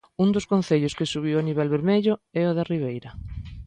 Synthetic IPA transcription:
und̪ʊskõn̟θeʎʊskɪsuβ̞iwaniβɛlβeɾmeʎʊɛoðariβ̞ejɾɐ

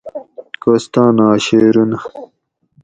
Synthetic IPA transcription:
kost̪aːnaːɕeːɾunɐ

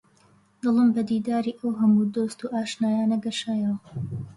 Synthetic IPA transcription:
d̪̥ɨlˠəmbɐd̪iːd̪aːɾiːʔɐwɦɐmud̪oːst̪uʔaːʃnaːjaːnɐɡɐʃaːjɐwɐ

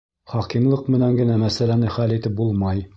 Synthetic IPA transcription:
χɒqimlˠɤqmɘ̆næŋɡɘ̆næmæsælænɘχælit̪ɘp̚bulˠmɑj

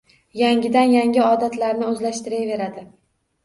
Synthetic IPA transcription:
jaŋʲɪd̪anjaŋʲɪɒd̪at̪ʰlaɾnɪɵzlaʃt̪ɪɾajve̞ɾad̪ɪ

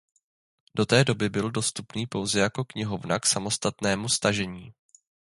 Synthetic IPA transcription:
do̞t̪ɛːdo̞bɪbɪldo̞st̪upniːpo̞wzɛjako̞kɲɪɦo̞vna̰ksamo̞st̪at̪nɛːmust̪aʒɛɲiː

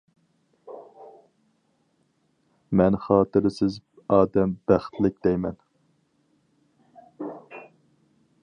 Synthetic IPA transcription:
mɛnχɑːt̪ɨɾɪsɪz | ɑːd̪ɛmbæχt̪lɪk̚ʲd̪ɛjmɛn

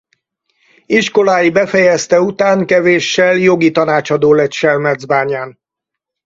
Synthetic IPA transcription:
iʃko̞laːjibɛfɛjɛst̪ɛut̪aːŋkɛveːʃːɛljo̞ɡit̪ɒnaːt͡ʃɒd̪oːlɛt̪ʃɛlmɛd̪zbaːɲaːn

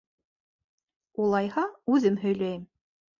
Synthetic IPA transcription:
ulˠɑjhɑʉðɘmɦɵ̆jlœjm

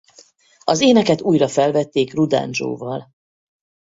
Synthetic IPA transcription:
ɒzeːnɛkɛt̪uːjrɒfɛlvɛt̪ːeːkrud̪a̰ːnd͡ʒo̰ːvɒl

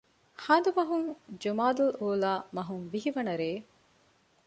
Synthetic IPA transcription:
haːd̪umɐɦuŋd͡ʒumaːd̪uloːlaːmɐɦuŋʋiɦiʋɐnɐɾeː

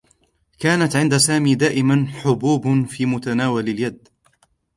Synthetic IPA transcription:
kaːnat̪ʕɪnd̪asaːmiːd̪aːʔɪmanħʊbuːbfiːmʊt̪anaːwalɪljad̪

